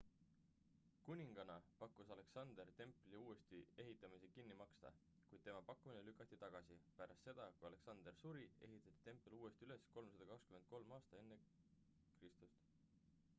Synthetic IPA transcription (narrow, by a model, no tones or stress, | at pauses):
kunʲiŋɡ̥ɑnɑpɑkːˑusɑle̞ksɑnd̪̥ert̪e̞mpˑliuːe̞st̪ie̞ɦit̪ˑːɑmise̞kinːimɑkst̪ɑ̰ | kujd̪̥̚t̪emɑpɑkːuminelykːˑɑt̪ːˑit̪ɑɡ̥ɑsipæɾʔɑst̪se̞d̪̥ɑkujɑle̞ksɑnd̪̥ersuɾie̞̰ɦit̪ːˑɑt̪ːˑi̥t̪e̞mpːˑeluːe̞st̪iyle̞sko̞lmsɑd̪ɑkɑkskymend̪̥̚ko̞lmɑːst̪ɑe̞nːe̞ | krist̪ust̪